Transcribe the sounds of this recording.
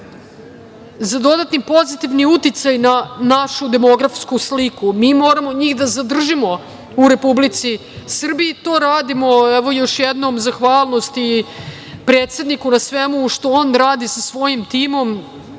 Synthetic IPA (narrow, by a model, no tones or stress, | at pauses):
zad̪o̞d̪at̪nipo̞zit̪iʋniut̪it̪sajnanaʃud̪e̞mo̞ɡɾafskuslikumiːmo̞ːɾamo̞ɲiːxd̪azad̪r̩ʒimo̞ | uɾe̞publit̪si | sr̩biit̪o̞ːɾaːd̪imo̞ɛʋojo̞ʃjɛd̪no̞mzaxʋaːlˠno̞st̪i | pɾe̞ːt̪se̞d̪nikunasʋemuʃt̪o̞oːnɾaːd̪isasʋo̞jimt̪iːmo̞m